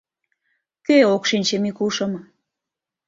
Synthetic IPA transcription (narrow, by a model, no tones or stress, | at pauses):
køokʃinʲt͡ɕemikuʃɤ̆m